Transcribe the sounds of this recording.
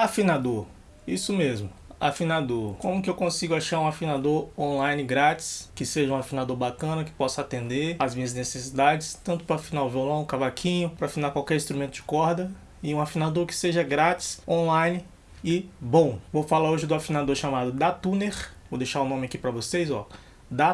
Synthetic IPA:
afinad̪oɾ | isʊmezmʊa̰finad̪oɾkõmʊkɪewkõsiɡʊaʃaɾũafĩnad̪oɾõlajnɪɡɾat͡ʃɪ̥skɪseʒɐũafĩnad̪oɾbakɐ̃nɐkɪ̥pɔsɐat̪ẽnd̪eɾazmĩɲɐznesesid̪ad͡ʒɪst̪ɐ̃nt̪ʊpɾɐafĩnaʊviolõw̃kavakʰĩɲʊpɾɐafinaɾkwawkɛɾĩst̪ɾumẽnt̪ʊd͡ʒɪkɔɾd̪ɐ | ɪũafinad̪oɾkɪ̥seʒɐɡɾat͡ʃɪ̥sõlajnɪ | ɪbõw̃vofalaoʒɪd̪ʊafĩnad̪oɾʃamad̪ʊd̪at̪uneɾvod̪ejʃaɾʊ̃nõmɪakipɾɐvosejzɔ̰ | d̪a

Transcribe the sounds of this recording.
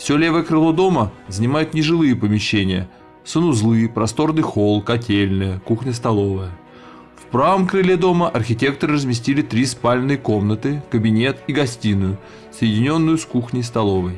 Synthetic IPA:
fsʲolʲe̞vəjəkrɨlˠo̞d̪o̞məzənʲɪmajʊt̪nʲɪʐɨlˠɨjəpəmʲɪɕːenʲɪjə | sənʊzlˠɨpɾɐst̪o̞rnɨjxo̞lˠkɐtʲelʲnɨjəkuxnʲəst̪ɐlˠo̞vəjə | fpɾavəmkɾɨlʲed̪o̞məʔɐrxʲɪtʲe̞k̚t̪əɾɨrəzmʲɪsʲtʲilʲɪt̪ɾʲispalʲnɨjəko̞mnət̪ɨkəbʲɪnʲe̞t̪iɡɐsʲtʲinːʊjʊ | səjɪdʲɪnʲo̞nːʊjʊskuxnʲəjst̪ɐlˠo̞vəj

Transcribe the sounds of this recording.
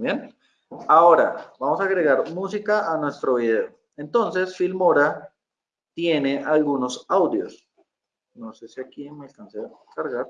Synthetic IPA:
bjen | ao̞ɾa̰bamosaːɣɾe̞ɣaɾmus̬ikaʔːnwe̞st̪ɾo̞βiðe̞o | e̞nt̪o̞nse̞sfilmo̞ɾa | t̪je̞ne̞ʔalɡuno̞sawd̪jo̰s | no̞se̞siakimealkansekaɾɣaɾ

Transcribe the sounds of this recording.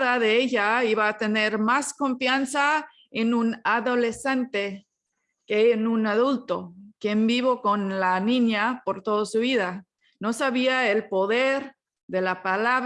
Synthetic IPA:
ðaðeeʎaiβaːt̪eneɾmasko̞ɱfjansa | enunaðole̞sent̪e | keːnunaðult̪okembiβokonlanĩɲapo̞ɾt̪oðosuβiða | no̞saβiae̞lpo̞ðeɾ | ðe̞lapalaβ

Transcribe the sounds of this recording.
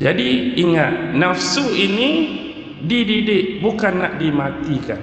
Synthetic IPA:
d͡ʒadiiŋat̪̚nafsuini | dididɪʔbukanːaʔdimat̪ika̰n

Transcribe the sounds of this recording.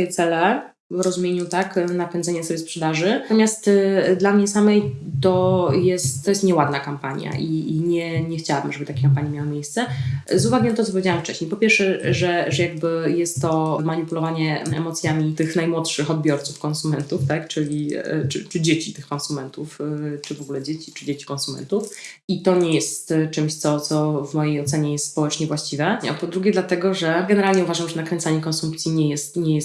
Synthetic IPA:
jɛt̪sɛlɛ | vɾɔzumʲjeɲut̪aknapɛnd̪zɛɲɛsɔbʲjɛspʂɛd̪aʐɘɔmʲjast̪d̪lamɲɛsamɛjt̪ɔjɛst̪t̪ːɔjɛst̪ɲɛwad̪nakampaɲja̰ʔiɲɛɲɛxt͡ɕawabɘmʐɛbɘt̪akʲekampaɲimʲjawɘmʲjejst̪sɛzuvaɡʲinat̪ɔt̪sɔpɔvʲjed͡ʑawamft͡ʂɛɕɲejpɔpʲɛɾʂɛʐɛʐɛjaɡ̚bɘjɛst̪ːɔmaɲipulɔvaɲɛɛ̰mɔt̪sʲjamʲit̪ɘxnajmwɔtʂɘxɔd̪̚bʲjɔɾt̪sufkɔ̃nsumɛnt̪uft̪akt͡ʂɘlʲḭt͡ʂɘ̰t͡ʂɨd͡ʑet͡ɕit̪ɘxkɔnsumɛnt̪uft͡ʂɘvɔɡulɛd͡ʑet͡ɕi̥t͡ʂɘd͡ʑet͡ɕi̥kɔ̃nsumɛ̰nt̪uf | it̪ɔɲɛjɛst̪t͡ʂɛmɕt̪sɔt̪sɔvmɔjejɔt̪sɛɲɛjɛst̪spɔwɛt͡ʂɲɛvwaɕt͡ɕivɛpɔd̪ɾuɡʲɛd̪lat̪ɛɡɔʐɛɡɛnɛɾalɲɛuvaʐamʐɛnakɾɛnt̪saɲɛkɔnsumpt̪sʲjiɲɛjɛst̪ɲɛjɛs

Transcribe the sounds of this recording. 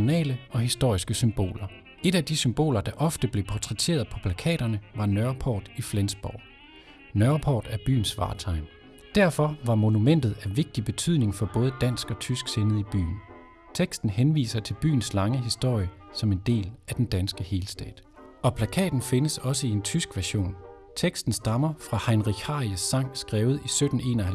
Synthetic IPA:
onɛ̰ːləʔɒ̽ɦisd̥o̝ɐ̰isɡ̥əsymb̥o̝̰ːlɐ | e̝ɾæd̥isymb̥o̝̰ːlɐd̥ɑ̈ʔɒ̽fd̥əb̥le̝pʰɒt͡sʰʁɛt͡sʰe̝̰ːɐð̞̩ˠpʰɒ̽pʰlækʰɛ̰ːɾ̥ɐnəʋɑ̈nɶɐpʰɒ̰ːd̥iflensb̥ɒʊ̰ | nɶɐpʰɒ̰ːd̥æɐb̥y̰ːn̩sʋɑ̰̈ːt͡sʰɑ̈ɪm | d̥æɐ̰fɒ̽ʋɑ̈mo̝numen̰d̥ð̞̩ˠæʋe̝ɡ̥̚d̥ib̥e̝t͡sʰy̰ðˠne̝ŋfɒ̽b̥ɔ̽ːð̞̩ˠəd̥æn̰sɡ̥ɒ̽t͡sʰysɡ̥senəð̩ˠib̥y̰ːn̩ | t͡sʰeɡ̥sd̥n̩henʋḭːsɐt͡sʰe̝lb̥y̰ːn̩slɑ̈ŋəɦisd̥o̝ɐ̰jə | sɒ̽me̝nd̥e̝̰ːlæd̥end̥ænsɡ̥əhe̝ːlsd̥ɛ̰ːd̥ | ɒ̽pʰlækʰɛ̰ːd̥n̩fe̝nəsɒ̽səie̝nt͡sʰysɡ̥ʋæɐɕo̝̰ːn | t͡sʰeɡ̥sd̥n̩sd̥ɑ̈mɐfʁɑ̈hɑ̈ɪnʁiɡ̥hɑ̈ːiəsːɑ̈ŋ̰sɡ̥ʁɛːʊð̩ˠisød̥n̩e̝̰ːnɒhæ

